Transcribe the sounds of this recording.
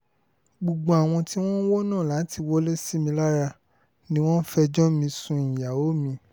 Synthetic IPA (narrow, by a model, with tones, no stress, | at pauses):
ɡ͡bu˨ɡ͡bɔ̃˨a˨w̃ɔ̃˧ti˦w̃ɔ̃˦n˦wo˦nãː˦˨la˨˦ti˧wo˦le˦si˦mĩ˧la˦ɾa˧ | nĩ˦w̃ɔ̃˦n̩˦fɛ˧d͡ʒɔ̃˦mĩ˧sũ˧ĩ˨ja˨o˦mĩ˧˦